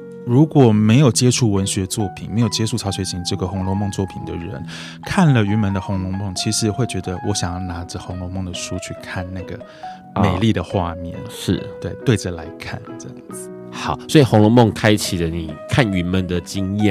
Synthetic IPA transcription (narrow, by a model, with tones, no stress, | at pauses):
ɻu˧˥kwɔ˨˩me˧˥ɪjo˨˩ʊt͡ɕjɛ˥ʈ͡ʂʰu˥˩wə˧˥nɕɥɛ˧˥t͡swɔ˥˩pʰi˨˩nme˧˥jt͡ɕjɛ˥ʈ͡ʂʰu˥˩t͡sʰɑ˧˥ʊʂwe˧˥ɪt͡ɕʰi˧˥ŋʈ͡ʂɤ˥˩ɡə˩xʊ˧˥ŋlɔ˧˥ŋmʊ˥˧ŋt͡swɔ˥˩pʰi˨˩nd̪ə̰˦ɻə̰˧˥n | kʰa˥˩nlə˩y˧˥nmə˧˥nd̪ə˧xʊ˧˥ŋlʊ˧˥ŋmo˥˩ŋt͡ɕʰi˧˥ʂɻ̩˧˥xwe˥˩ɪt͡ɕɥɛ˧˥d̪ə˧wɔ˧˥ɕjɑ˨˩ŋjna˧˥ʈ͡ʂə˧xʊ˧˥ŋlɔ˧˥ŋmo˥˩ŋd̪ə˩ʂu˥t͡ɕʰy˥˩kʰa˥˩nna˥˩ɡə˩ | me˨˩ɪli˥˩d̪ə˩xwa˥˧mjɛ̰˥˩nʂʂɻ̩˥˩t̪we˥˩ɪt̪we˥˩ɪʈ͡ʂə˨˩la˧˥ɪkʰa̰˥˩nʈ͡ʂɑ˨˩ŋt͡s̩˩ | xɑ˨˩˦swɔ˧˥i˨˩xʊ˧˥ŋlɔ˧˥ŋmo˥˩ŋkʰa˥ɪt͡ɕʰi˨˩lə˦ni˨˩kʰa˥˩ny˧˥nmə˧˦nd̪ə˨t͡ɕi˥ŋjɛ˥˨